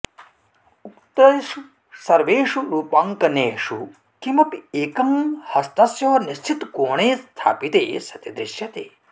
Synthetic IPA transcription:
ukt̪ɐɾɐʃu | sɐɾʋeːʂuɾuːpaŋkɐneːʂu | kimɐpieːkɐmhɐst̪ɐsjɐːɐniʃt͡ʃʰit̪koːɳeːst̪ʰa̰ːpit̪ḛːsɐt̪ɐd̪ɾiʃjɐt̪eː

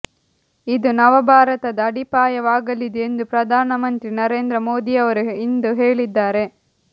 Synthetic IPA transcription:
id̪unɐʋɐbʱaːɾɐt̪ɐd̪ɐːɽipaːjɐʋaːɡɐlid̪eend̪upɾɐd̪ʱaːnɐmɐnt̪ɾinɐɾe̞ːnd̪ɾɐmo̞ːd̪iɐʋɐɾuind̪uɦeːɭid̪ːaːɾe̞

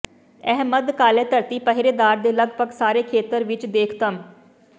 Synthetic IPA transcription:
ɛɦməd̪kaːlɛːt̪əɾt̪iːpəɦɾeːd̪aːɾd̪eːləɡbəɡsaːɾeːkʰeːt̪əɾʋɪt͡ʃd̪eːkʰt̪əm

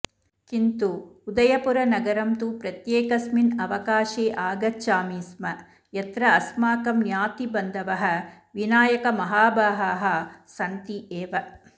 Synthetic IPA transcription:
kint̪uːd̪ɐjɐpuɾɐnɐɡɐɾɐmt̪upɾɐt̪jeːkɐsminɐʋɐkaːʃeːʔaːɡɐt͡ʃaːmiːsmɐ | jɐt̪ɾɐːsmaːkɐmnjaːt̪ibɐnd̪ɐʋɐɦɐ̆ | ʋinaːjɐkɐmɐɦaːbaːɦɐːɦɐsɐnt̪iʔeːʋɐ

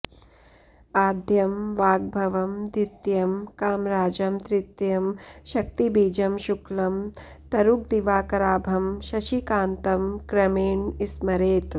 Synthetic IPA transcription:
aːd̪ʱjɐmʋaːɡ̚bʱɐʋɐmd̪it̪jɐmkaːmɾaːd͡ʒɐmt̪ɾit̪jɐmʃɐk̚t̪ibiːd͡ʒɐmʃuklɐm | t̪ɐɾuk̚d̪iʋaːkɐɾaːbʱɐmʃɐʃikaːnt̪ɐmkɾɐmeːɳismɐɾeːt̪

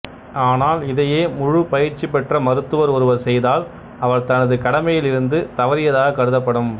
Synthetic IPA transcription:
aːnaːlɪðɐjeːmʊɻʊpɐjɪɾt͡ʃːipːɛʈrɐmɐɾɯt̪ːɯʋɐɾɔɾɯʋɐɾsɛjðaːl | ɐʋɐɾt̪ɐnɐðɯkɐɽɐmɐjɪlɪɾɯnd̪ɯt̪ɐʋɐɾɪjɐðaːɣɐkɐɾɯðɐpːɐɽɯm

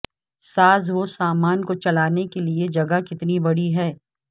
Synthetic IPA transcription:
saːzʋosaːmaːnkot͡ʃɐlaːnekelied͡ʒɐɡakɪt̪nibɐɽiɦɛː

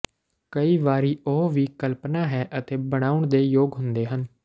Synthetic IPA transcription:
kəiːʋaːɾiːoɦʋiːkəlpnaːɦɛːʔət̪eːbəɽ̃aːʊɳd̪eːjoːɡɦʊnd̪eːɦən

